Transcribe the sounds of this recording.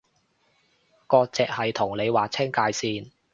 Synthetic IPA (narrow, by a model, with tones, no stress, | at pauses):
kɔː˧t͡sɛː˨k̚hɐ˨jt̪ʰʊ˨˩ŋle˨˧jwaː˨t͡sʰɛ˥ŋkaː˧jsiː˧n